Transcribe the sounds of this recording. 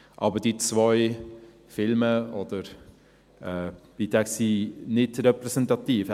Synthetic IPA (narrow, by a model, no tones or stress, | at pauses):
ʔɑ̰bəɾd̥it͡svɔɪ | fɪlməɔdəɾ | ɛːd̥it̪ʰɛksinɪdɾɛpɾɛsɛntɑt̪iːf